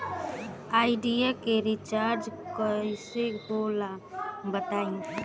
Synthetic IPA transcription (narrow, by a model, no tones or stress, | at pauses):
aːɪɖijakeɾɪt͡ʃaːɾd͡ʒkəɪsebolabət̪aːĩŋɡe